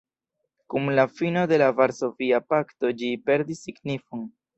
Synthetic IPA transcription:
kumlafino̞de̞lavaɾso̞viapakto̞d͡ʒipe̞ɾdisːiɡnifon

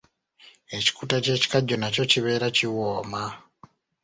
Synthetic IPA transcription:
e̞ci̥kutace̞ːci̥kaɟːo̞naco̞ciβe̞ːɾaciwoːma

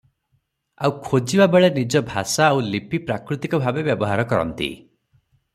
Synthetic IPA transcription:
awkʰod͡ʒibabeɭenid͡ʒɔbʱa̰saːwlipipɾakɾut̪ikɔbʱabebjɔbɔɦaɾɔkɔɾɔ̰nt̪ḭ

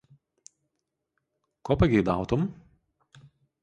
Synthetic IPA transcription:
koːpɐɡʲɛɪd̪ɑˑʊt̪ʊm

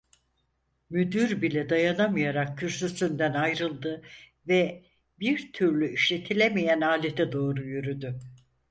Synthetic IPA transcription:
myd̪yɾbilʲɛd̪ajanamɯjaɾakkːyɾsysynd̪ænajɾɯlˠd̪ɯ | vɛ | biɾt̪ʰyɾlʲyiʃlʲe̞t̪ʰilʲemijænaːlʲet̪ʰɛd̪o̞ːɾujyɾyd̪y

